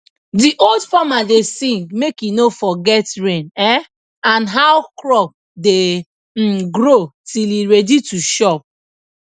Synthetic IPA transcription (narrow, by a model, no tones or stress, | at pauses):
diʔoldfɔmadesĩŋɡmekinofɔɡɛtɹẽnɛ | ãnɦawkɹɔp̚ | de | ɡɾotiliɹɛdituʃɔp̚